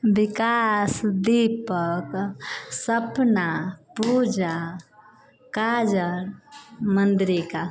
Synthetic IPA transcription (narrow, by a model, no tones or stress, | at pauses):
bikasd̪ipəksəpnapud͡ʒa | kad͡ʒəɾmənd̪ɾika